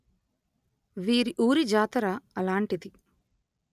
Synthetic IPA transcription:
ʋiːɾiʔuːɾid͡ʒaːt̪ɐɾaɐlaːɳʈid̪i

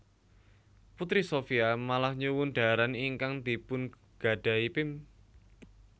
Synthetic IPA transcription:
put̪ɾisofiamalahɲuwunɖ̪̥a̤ɾaniŋkaŋd̪̥i̤pʊn | ɡ̥a̤ɖ̥a̤ipɪm

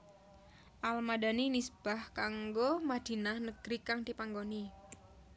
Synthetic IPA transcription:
ʔalmadaninisəb̥ahkaŋɡomad̪̥i̤nahnəɡ̥ɾikaŋd̪ipaŋɡoni

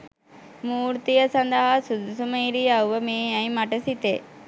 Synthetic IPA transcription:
muːɾt̪ijɐsɐnd̪ɐɦɐsud̪sumɐjɾiaʋɐmeːjajmɐʈɐsit̪e

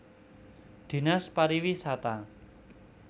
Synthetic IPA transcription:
d̪̥i̤naspaɾiwisat̪a

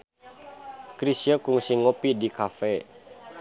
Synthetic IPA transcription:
kɾisjəkuŋsiŋopidikafɛ

